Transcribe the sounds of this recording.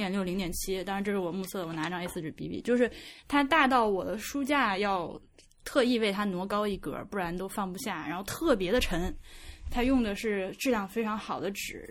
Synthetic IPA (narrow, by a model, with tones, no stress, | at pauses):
jɛ˨˩nljo˥˩ʊli˧˥ŋt̪jɛ˨˩nt͡ɕʰi˥t̪ɑ˥ŋɻnʈ͡ʂɤ˥˧˩ʂɻ̩˥˩wɔ˨˩mu˥˧sʰɤ˥˩wɔ˨˩na˧˥ʈ͡ʂɑ˥˩ŋe˧ɪsɹ̩˥˩ʈ͡ʂɻ̩˨˩pi˧˥ḭ˥˩t͡ɕjo˥˧ʊʂɻ̩˥˩t̪ʰa˥t̪a˥˧t̪ɑ˥˩ʊwɔ˨˩d̪ə˦ʂu˥t͡ɕja˥˧jɑ˥˩ʊ | t̪ʰɤ˥˧i˥˧we˥˩ɪt̪ʰa˥nwɔ˧˥kɑ˥ʊi˥˩kɤ̰˧˥˩pu˥˩ɻa˧˥nt̪o˥ʊfɑ˥˧˩ŋpu˧ɕja˥˩ɻa̰˧˥nxo˥˧ʊt̪ʰɤ˥˩p̬jɛ˧˥d̪ə˧ʈ͡ʂʰə˧˥ŋt̪ʰa˥jʊ˥˩ŋd̪ə˩ʂɻ̩˥˩ʈ͡ʂɻ̩˥˧ljɑ˥˩ŋfe˥ɪʈ͡ʂʰɑ˧˥ŋxɑ˨˩ʊd̪ə˦ʈ͡ʂɻ̩˨˩˦